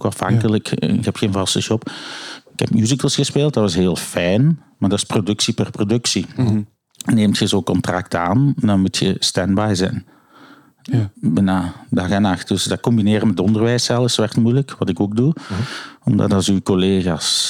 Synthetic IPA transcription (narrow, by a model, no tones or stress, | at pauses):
kaɑfhɑ̰ŋkələkɪkɦɛpxeːnvɑsəʃɔpɪkɛ̰pmjuːzikəlˠsxəspeːlˠt̚dɑtɑsɦeːlˠfɛjn | maːrdɑtɪ̥sprodɵksipərprodɵksi | neːmtxəzoːkɔntrak̚taːnɛndɑnmutxə̰stɛnbajzɛ̰n | bənadaɣənaxtdɵsdɑkɔmbineːɾəmɛtdɔndərʋɛːsɛlˠəsʋɛrtmujləkʋɑtɪkoːk̚du | ɔmdɑ̰tɑsykɔleːɣaːs